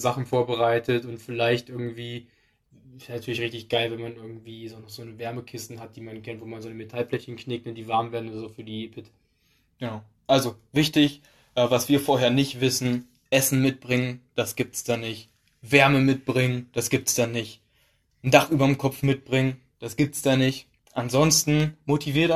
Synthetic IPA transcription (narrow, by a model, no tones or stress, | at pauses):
zaχn̩foːɐbəʁaɪtʰətʊntfɪlaɪçtʔɪɐɡŋ̩tv̥iː | ɪsnatʰyːɐlɪçʁɪçtɪçɡ̥aɪlvɛnmanɪɐɡŋ̩tv̥iːzɔnχz̥oːnəvɛɐməkʰɪstn̩ɦat̚d̥iːmankʰɛntv̥oːmanzoːnəmetʰalflɛçənkʰnɪk̚tnənd̥iːvaɐmveːɐdn̩odzʊfyːɐdiːeːpʰɪt | ɡ̥ənaʊ | ʔalzovɪçtɪç | ʔɛːvasv̥iːɐfoːɐheːɐnɪçtv̥ɪsn̩ | ʔɛsn̩mɪt̚b̥ʁɪŋənd̥asɡ̥iːp̚tsd̥anɪçt | vɛɐməmɪt̚b̥ʁɪŋənd̥asɡ̥iːp̚tsd̥anːɪç | n̩daχʔyːbɐmkʰɔfmɪt̚b̥ʁɪŋən | d̥asɡ̥iːp̚tsd̥anɪçt | ʔanzɔnstn̩motʰiviːɐt